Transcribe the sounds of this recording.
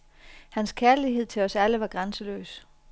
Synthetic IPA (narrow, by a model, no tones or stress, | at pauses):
hænskʰæɐliɦe̝ð̞̰ˠt͡sʰe̝lɒ̽sæləʋɑ̈ɡ̥ʁansəlø̰ːs